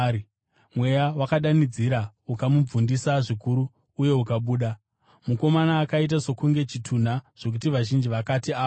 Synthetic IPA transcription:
mwe̞jawakaɗanid͡ziɾaukamub͡vundisaʐikuɾuː | je̞ukaɓuːɗa | muko̞manaːkait̬aso̞kuŋɡe̞t͡ʃitʰun̤aʐ̥o̞k̬utiʋaʒind͡ʒiʋakatiaː

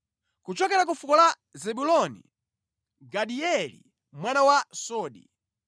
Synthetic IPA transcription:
kut͡ʃɔkɛɾak̬ufukɔla | zɛɓulɔnḭ | ɡaɗiɛlḭ | mwanawasɔːɗi

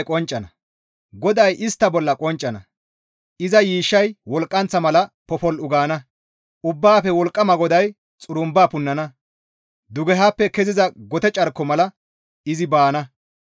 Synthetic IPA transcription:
kʼɔnt͡ʃʼːɐnɐ | ɡɔd̪ɐjʔɪst̪ːɐbɔlːɐkʼɔnt͡ʃʼːɐnɐ | ɪzɐjiːʃːɐjwɔlkʼːɐnt͡sːɐmɐlɐpɔfɔlʊɡaːnɐ | ʊbːaːfɛwɔlkʼːɐmɐɡɔd̪ɐj | t͡sʼʊɾʊmbaːpʊnːɐnɐ | d̪ʊɡɛɦaːpːɛkɛzɪzɐɡɔt̪ɛt͡ʃʼɐɾkːɔmɐlɐ | ɪzɪbaːnɐ

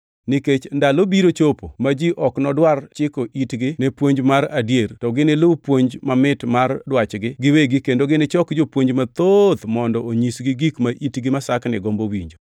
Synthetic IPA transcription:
nɪket͡ʃndalobiɾot͡ʃopomad͡ʒiʔɔknɔdwart͡ʃɪkoʔitɡɪnɛpwoɲd͡ʒmaɾadjeɾtɔɡɪnɪlʊpwoɲd͡ʒmamɪtmardwat͡ʃɡɪɡɪweɡɪkendoɡɪnɪt͡ʃɔkd͡ʒopwoɲd͡ʒmat̪od̪mɔndɔoɲisɡɪɡikmaʔitɡɪmasaknɪɡombowḭɲd͡ʒo

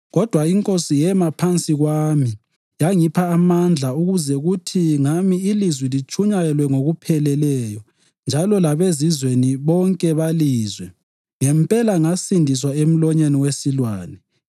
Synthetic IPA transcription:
ɣɔd̥ʱwaiŋkʼosijɛmapʰant͡sʼiɣwami | jaŋipʰaːmand͡ɮʱauɣuzɛɣutʰiŋamiːlizwilit͡ʃʼuɲajɛlwɛŋoɣupʰɛlɛlɛjɔ | nd͡ʒʱalɔlaβezizweniβɔŋkʼɛβaliːzwɛ | ŋɛmpʼɛlaŋasindʱis̬waem̩lɔɲeniwesilwaːnɛ

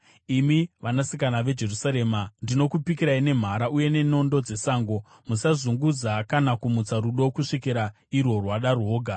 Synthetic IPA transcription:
imiʋanasikanaʋe̞d͡ʒe̞rusaɾe̞ːmandino̞kupikiɾaine̞m̤aɾaʔuje̞ne̞no̞ndo̞d͡ze̞saːŋɡo̞ | musazuŋɡud͡zakanakumut͡saɾuɗo̞kuʂikiɾa | irwo̞rwaɗarwo̞ːɡʱa

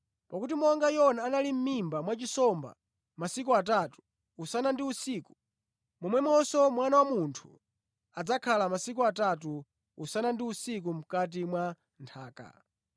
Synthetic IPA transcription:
pakut̬imɔŋɡajɔnaːnalim̩mimbamwat͡ʃisɔmba̰ | masik̬uat̬atu̥ː | sanandiusiːku̥ | mɔmwɛmɔsɔmwanawamuntʰu̥ | ad͡zakʰalamasik̬uatat̬u | usanandiusik̬um̩kat̬imwa | ntʰaːka̰

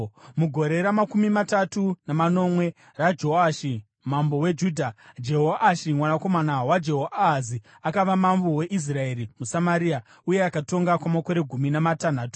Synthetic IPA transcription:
muɡʱo̞ɾe̞ɾamakumimatatunamano̞mwe̞ | rad͡ʒo̞aʃi | mambo̞we̞d͡ʒuːdʱad͡ʒe̞ɦoʔaʃimwanako̞manawad͡ʒe̞ɦoazi | akaʋamambowe̞ʔis̬rae̞ɾimusamaɾia | uje̞akato̞ŋɡakwamako̞ɾe̞ɡʱuminamatanaːtu̥

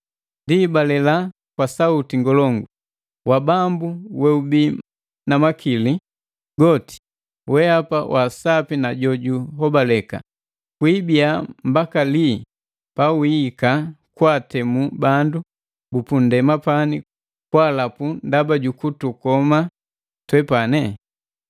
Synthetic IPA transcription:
ndibalɛla | kwasautiŋɡɔlɔŋɡu | wabambuwɛubi | namakili | ɡɔti̥ | wɛapawʔasapinaɟɔɟuɦɔbalɛka̰ | kwibiambakali | pawiːkakwatɛmubandu | bupundɛmapani | kwaːlapundabaɟukutukɔma | twɛpanɛ

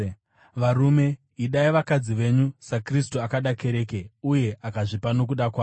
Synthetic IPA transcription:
ʋaɾume̞ | iɗaiʋakad͡ziʋe̞ɲusakris̬tuakaɗake̞ɾe̞ːkeuje̞ʔakaʐipano̞k̬uɗakwaː

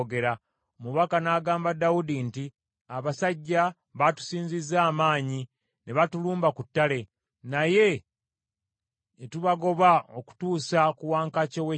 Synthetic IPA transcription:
ɡe̞ɾa | omuβakanaːɡaːmbadawudinti | aβasaɟːa | βatu̥siːɲzizaːmaːɲi | ne̞βatuluːmbakutːale̞ | naje̞ | tuβaɡo̞βao̞ku̥tuːsakuwaːŋkacowe

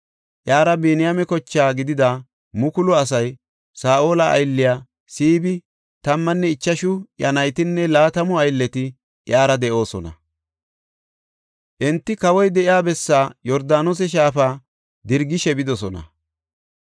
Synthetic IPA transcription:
ʔjaːɾɐbeːnɪjamɛkɔt͡ʃːaːɡɪd̪ɪd̪a | mʊkʊlʊɐs̬ɐj | saːʔo̞ːlɐʔɐ̰jlːɪjaː | siːbɪ | t̪ɐmːɐnːɛɪt͡ʃːɐʃʊjɐnɐjt̪ɪnːɛlaːt̪ɐmʊɐjlːɛt̪ɪ | ʔjaːɾɐd̪ɛʔo̞ːsɔnɐ̰ | ʔɛnt̪ːɪkɐwɔjd̪ɛʔɪaːbɛsːaːjɔɾd̪aːnos̬ɛʃ̬aːfaː | d̪ɪɾɡɪʃɛbɪd̪ɔsɔnɐ̰

